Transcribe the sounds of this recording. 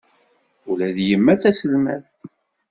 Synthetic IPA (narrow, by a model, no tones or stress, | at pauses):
ʊlæðjəmːæt͡sːæsəlmæ̰θ